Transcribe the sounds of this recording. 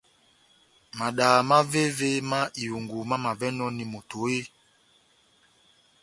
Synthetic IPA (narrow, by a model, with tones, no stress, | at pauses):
ma˨ɗa˨ma˦ve˦ve˦ma˦ʔi˨u˨ŋɡu˨ma˦ma˨vɛ˦nɔ˦ni˨mo˨to˨˦e˦